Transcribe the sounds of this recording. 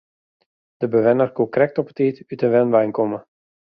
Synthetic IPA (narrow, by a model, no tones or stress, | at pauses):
d̥əbəʋɛnərkukrɛk̚tɔpə̥tiːtytəʋɛnʋɛjnkɔmə